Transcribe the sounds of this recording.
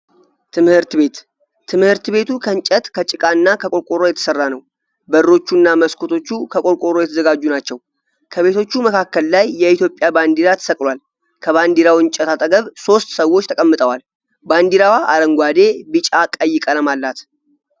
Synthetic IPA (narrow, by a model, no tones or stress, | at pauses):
t̪ʰɨmhɨɾt̪be̞t̪ | t̪ʰːɨmhɨɾt̪ɨbe̞t̪ʰukʰənt͡ʃʼət̪kʰət͡ʃʼɪkʼaɨnːakʰəkʼo̞ɾkʼoɾojɛt̪ʰə̥sərːanəw | bəɾːo̞t͡ʃːunːaməskʰot̪ʰo̞t͡ʃːukʰəkʼoɾkʼoɾojɛt̪ʰəzəɡad͡ʒːunat͡ʃːɛw | kʰəβe̞t̪ʰo̞t͡ʃːuməkakːəlːajːɛit̪jo̞pʼːjaband̪iɾat̪ʰə̥səkʼlwal | kʰəβand̪iɾawɨnt͡ʃʼɛt̪ʰat̪ʼəɡəβso̞st̪səwːot͡ʃːt̪ʰəkʼəmːɨt̪ʼəwal | band̪iɾawaʔaɾəŋɡʷad̪e̞bɨt͡ʃʼakʼəjːɪkʼələmalːat̪